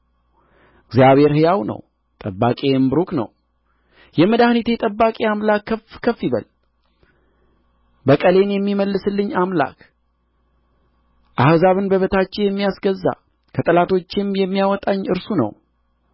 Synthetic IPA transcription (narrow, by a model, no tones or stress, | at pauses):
ɨɡzijaβhe̞ɾhɨjawnə̰w | t̪ʼəbːakʼembɨɾuknə̰w | jɛməd̪ahnit̪ʰet̪ʼəbːakʼeamlakːəfkʰəfːiβə̰l | bəkʼəle̞njɛmːiməlːɨsɨlːɨɲːamla̰k | ʔahzaβɨnbəβət̪ʰat͡ʃːɛjɛmːijasɡəzːa̰ | kʰət̪ʼɨlat̪ʰo̞t͡ʃːɪmjɛmːijawɔt̪ʼaɲːɨɾsunə̰w